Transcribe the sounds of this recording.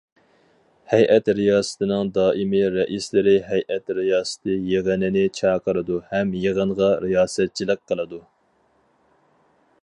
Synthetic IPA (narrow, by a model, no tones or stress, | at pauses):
hɛjʔɛt̪ɾijɑːsɨ̥t̪ʰɨnɨŋd̪ɑːʔimɪɾɛʔislɪɾɪɦɛjʔɛt̪ɾijɑːsɨ̥t̪ʰɨjeʁənɪnɪt͡ʃʰɑːqʰəɾɨd̪uhɛmjeʁəɴʁɑɾijɑːsɛt̪̚t͡ʃʰilˠəq̚qʰːəlˠɨd̪u